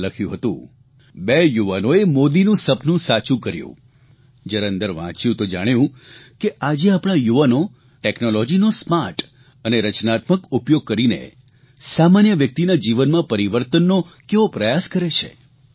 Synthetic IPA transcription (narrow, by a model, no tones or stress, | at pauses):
ləkʰjũɦət̪ṵ̃ | bejuʋanoemod̪inũsəpnũsat͡ʃũkəɾjṵ̃ | d͡ʒəɾənd̪əɾʋã̰t͡ʃjũt̪od͡ʒaɽ̃jũkeʔad͡ʒeapɽ̃ajuʋano | ʈeknolɔd͡ʒinosmaɾʈ | əneɾət͡ʃnat̪məkupjoɡ̚kəɾinḛ | samanjəʋjək̚t̪inad͡ʒiʋənmãpəɾiʋəɾt̪ənːokeʋopɾəjaskəɾet͡ʃʰḛ